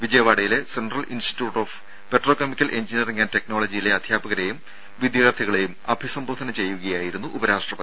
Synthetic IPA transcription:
ʋid͡ʑɐjɐʋaːɽɐjile̞senɖrɐlʔḭnsʈi̥tːjuːʈːo̞ːf | pe̞ʈro̞ːkemikʲːɐlʔe̞ɲd͡ʑinjɐriŋɡaːnte̞kno̞ːɭɐd͡ʑijile̞ɐd̪ʱjaːbɐɣɐɾejum | ʋid̪jɐɣɐt̪ʰiɣɐɭe̞jumɐbʱisɐmboːd̪ʰʱɐnɐt͡ɕe̞jːuɣɐjaːjiɾun̪ːuʔubɐɾaːʂʈrɐpɐt̪i

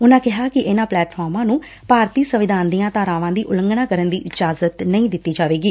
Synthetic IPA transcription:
ʊnãːkɪɦaːkɪʔɪnãːplɛːʈpʰɔːɾmãːnũː | paːɾt̪iːsəʋɪd̪ʱaːnd̪iːãːt̪aːɾãːʋãːd̪iːʔʊləŋɡɳaːkəɾənd̪iːʔɪd͡ʒaːzət̪nəĩːd̪ɪt̪ːiːd͡ʒaːʋeːɡiː

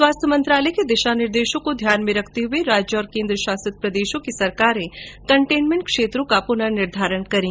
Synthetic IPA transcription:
swaːst̪ʰjəmɐ̃nt̪ɾaːləked̪ɪʃanɪɾd̪eːʃõkod̪ʱjaːnmẽɾɐkʰt̪eɦʊeɾaːd͡ʒjəɔːɾkẽːnd̪ɾəʃaːsət̪̚pɾɐd̪eːʃõkisɐɾkaːɾẽkɐ̃ɳʈeːnmẽɳʈ̚kʃeːt̪ɾõkapʊnənɪɾd̪ʱaːɾəɳkɐɾĩː

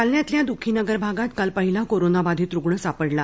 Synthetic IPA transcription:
kalnjat̪ljad̪ukʰinəɡəɾbʱaɡat̪kalpəɦilakoɾonabad̪ʱiːt̪ɾuɡɭəsapəɽla

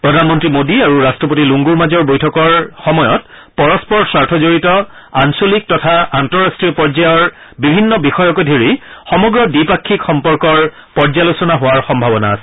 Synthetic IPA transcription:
pɹɔdʱanmɔntɹimodiaɹuɹastɹɔp̬otiluŋɡuɹmazɔɹbojtʰɔkɔɹxɔmɔjɔt | pɔɹɔspɔɹsaɹtʰɔzoɹitɔ | ansolik̚tɔtʰaantɔɹastɹiɔpɔɹzajɔɹbibʱinːɔbixɔjɔkojdʱiɹixɔmɔɡɹɔdipakʰːikxɔmpɔɹkɔɹ | pɔɹzalosɔnaɦʊwaɹxɔmbʱabɔna̰ːsɛ̥

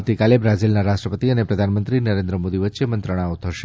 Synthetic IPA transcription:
t̪ikalebɾad͡ʒilnaɾaʃʈɾəpət̪iənepɾəd̪ʱanmənt̪ɾinəɾẽnd̪ɾəmod̪iʋətːʃemənt̪ɾəɽ̃aot̪ʰəʃe

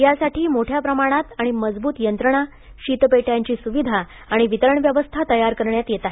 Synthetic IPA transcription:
jasaʈʰiːmoʈʰjapɾəmaɽ̃at̪aɽ̃iməd͡zbuːt̪jənt̪ɾəɽ̃a | ɕiːt̪peʈjaɲt͡ɕiːsuʋid̪ʱaː | ɽ̃iʋit̪əɾəɳʋjəʋəst̪ʰat̪əjaɾkəɾɳjat̪jet̪aɦe

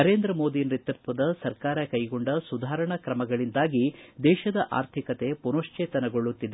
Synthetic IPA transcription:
nɐɾeːnd̪ɾɐmo̞ːd̪inɾit̪ɐt̪ʋɐd̪ɐsɐɾkaːɾɐkɐjɡoɳɖɐsud̪ʱaːɾɐɳɐkɾɐmɐɡɐɭind̪aːɡid̪ɛːʃɐd̪ɐʔa̰ːɾt̪ʰikɐt̪e̞punoʂt͡ʃeːt̪ɐnɐɡo̞ɭːut̪ːid̪e

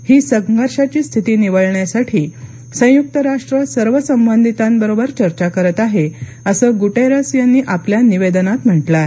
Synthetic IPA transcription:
hiːsəɡɡəɾɕat͡ɕiːst̪ʰit̪iːniʋəɭɳjasaʈʰiː | sə̃juk̚t̪əɾaʂʈɾəsəɾʋəsəmbənd̪ʱit̪ambəɾobəɾt͡ɕəɾt͡ɕakəɾət̪aɦe | əsəːɡuʈeɾasjanːiːʔapljaniʋed̪nat̪m̤əʈla

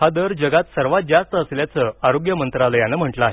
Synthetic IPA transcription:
ad̪əɾd͡ʑəɡat̪səɾʋat̪̚d͡zast̪əəsljat͡səaɾoɡjəmənt̪ɾaləjanəm̤əʈləaɦe

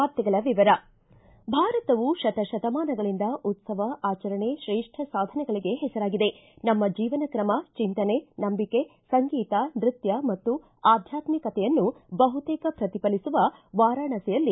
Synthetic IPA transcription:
aːp̚t̪ɛɡɐɭɐʋiʋɐɾɐ | bʱaːɾɐt̪ɐʋuʃɐt̪ɐʃɐd̪ɐmaːnɐɡɐɭind̪ɐʔut̪sɐʋɐʔaːt͡ʃɐɾɐɳe̞ʃɾeːʂʈʰɐsaːd̪ʱɐnɛɡɐɭiɡe̞ɦɛsɐɾaːɡid̪e̞ | nɐmːɐd͡ʒiːʋɐnɐkɾɐmɐt͡ʃint̪ɐne̞nɐmbike̞sɐŋɡiːt̪ɐnɾit̪jɐmɐt̪ːu | aːd̪ʱjaːt̪mikɐt̪ɛjɐnːubɐɦut̪ɛːkɐpɾɐt̪ipɐlisuʋɐʋaːɾaːɳɐsɛjɐlːi

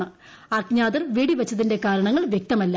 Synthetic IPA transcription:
ɳɨ | ɐkɲaːðɐrʋiːɽiʋɐt͡ɕːɐðinde̞kaːɾɐɳɐŋːɐɭʋjek̚t̪ɐmɐlːɐ

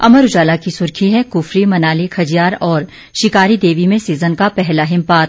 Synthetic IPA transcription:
ɐ̰məɾʊd͡ʒaːlakisʊɾkʰiɦɛkʊfɾimɐnaːlikʰɐd͡ʒijaːɾɔːɾ | ʃɪkaːɾid̪eːʋimẽsiːzənkapɛɦlaɦɪmpaːt̪

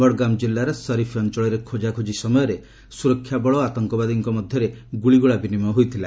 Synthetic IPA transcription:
bɔɽɡamd͡ʒilːaɾɔsɔɾifʰɔnt͡ʃɔɭɔɾekʰod͡ʒakʰud͡ʒisɔmɔjɔɾe | suɾɔkʰːjabɔɭɔat̪ɔŋkɔbad̪iŋkɔmɔd̪ʱjɔɾeɡuɭiɡuɭabinimɔɦojt̪ʰila

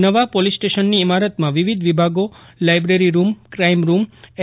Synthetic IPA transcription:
nəʋapolisʈeʃənːiːmaɾət̪mãʋiʋid̪ʱʋibʱaɡolajbɾeɾiɾumkɾaimɾum

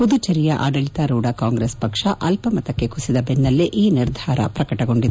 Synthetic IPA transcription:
pud̪ut͡ʃɐɾijɐʔa̰ːɖɐɭit̪ɐɾuːɽɐkaːŋɡɾeːspɐkʂɐʔɐlpɐmɐt̪ɐkːe̞kusid̪ɐbenːɐlːiʔiːniɾd̪ʱaːɾɐ̰pɾɐkɐʈɐɡo̞ɳɖid̪

